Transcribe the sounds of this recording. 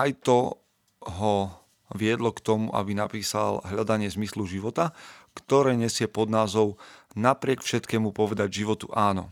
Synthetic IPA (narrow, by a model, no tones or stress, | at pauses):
ajt̪ɔ | ɦɔ | ʋɪɛd̪lɔkt̪ɔmuʔa̰binapiːsalɦʎad̪aɲɪɛzmisluʒiʋɔt̪akt̪ɔɾɛːɲɛsɪɛpɔd̪naːzɔʊnapɾɪɛkfʃɛt̪kɛːmupɔʋɛd̪aɟʒiʋɔt̪uʔaːnɔ̰